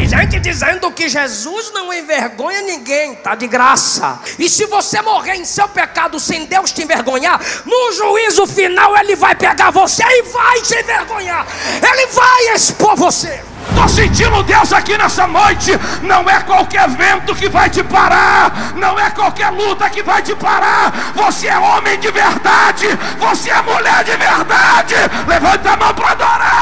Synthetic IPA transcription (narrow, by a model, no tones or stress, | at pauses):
ʒẽnt͡ʃɪd͡ʒizẽnd̪ʊkɪʒezuznɐ̃w̃ẽj̃veɾɡõɲɐnĩɡẽj̃t̪ad͡ʒɪɡɾasɐ̰ɪsɪvosemoʁeɾẽj̃sewpekad̪ʊsẽj̃d̪ewst͡ʃɪẽveɾɡõɲaɾnʊ̃ʒuizʊfinawelɪvajpeɡaɾvoseɪvajt͡ʃɪẽveɾɡõɲaɾelɪvajespoɾvose | t̪osẽnt͡ʃĩnd̪ʊʊd̪ewzakinɛsɐnojt͡ʃɪnɐ̃w̃ɛkwawkɛɾvẽnt̪ʊkɪvajt͡ʃɪpaɾa | nɐ̃w̃ɛkwawkɛɾlut̪ɐkɪvajt͡ʃɪpaɾa | voseɛõmẽj̃d͡ʒɪveɾd̪ad͡ʒɪ | voseɛmuʎɛɾd͡ʒɪveɾd̪ad͡ʒɪlevɐ̃nt̪ɐmɐ̃w̃pɾad̪oɾa